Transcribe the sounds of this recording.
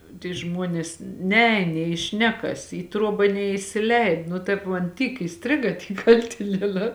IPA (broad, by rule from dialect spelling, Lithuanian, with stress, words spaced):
tʲiː ˈʒmuɔnʲeːs ˈnʲɛɛːn nʲeː ɪ ˈʃʲnʲæːkɐs iː ˈtruɔbɐ nʲɛɪsʲɪˈlʲɛɪt nʊ ˈtɐɪp mɐn ˈtʲiːk iːˈsʲtʲrʲɪɡɐ ˈtʲiː ˈkɐlʲtʲɪnʲiɛˌnɑː